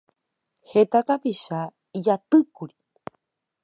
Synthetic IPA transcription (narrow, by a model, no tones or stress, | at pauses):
het̪at̪apiʃa | id͡ʒat̪ɨkuɾi̥